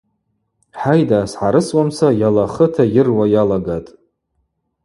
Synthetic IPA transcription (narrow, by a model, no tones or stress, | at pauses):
ħajdaːsħaɾɨswamsajalaχətʰajɪrwajalaɡatʼ